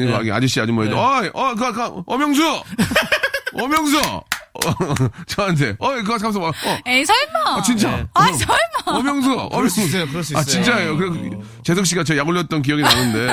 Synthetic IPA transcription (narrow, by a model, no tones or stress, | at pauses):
iɡoaɡia̰d͡ʑiɕ͈iad͡ʑumoedoaʔʌk̬ɯɡakaʌmjʌŋs̬ʰʌ | ʌmjʌŋs̬ʰʌ | t͡ɕʌant̬ʰe̞ʌk̬ɯɡakams̬͈ʰʌʌesʰʌɭmat͡ɕint͡ɕ͈asʰʌɭmʌmjʌŋs̬ʰʌʌ̰mŋkɯsat͡ɕint͡ɕ͈aejokɯɾe | t͡ɕes̬ʰokɕ͈iɡat͡ɕʌjaɡuʎːjʌt̚t͈ʌnk̬ijʌɡinanɯnde̞